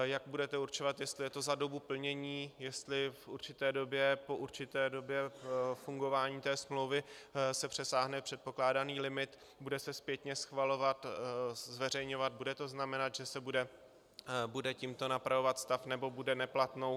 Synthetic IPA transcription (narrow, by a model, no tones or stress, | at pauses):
jaɡ̚budɛt̪ɛuɾt͡ʃo̞vat̪jɛst̪lɪjɛt̪o̞zado̞bupl̩ɲɛɲiːjɛst̪lɪfʔuɾt͡ʃɪt̪ɛːdo̞bjɛpo̞ʔuɾt͡ʃɪt̪ɛːdo̞bjɛfuŋɡo̞vaːɲiːt̪ɛːsmlowvɪsɛpr̝̥ɛsaːɦnɛpr̥ɛt̪̚po̞klaːdaniːlɪmɪt̪ | budɛsɛspjɛt̪ɲɛsxvalo̞vat̪zvɛr̝ɛjɲo̞vat̪̚budɛt̪o̞znamɛnat̪ʒ̥ɛsɛbudɛ | budɛcimt̪o̞napɾavo̞vat̪st̪afnɛbo̞budɛnɛplat̪no̞w